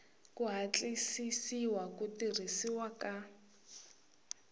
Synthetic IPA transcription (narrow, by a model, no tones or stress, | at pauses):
kuɦat͡ɬʼisisiwakutirisiwaka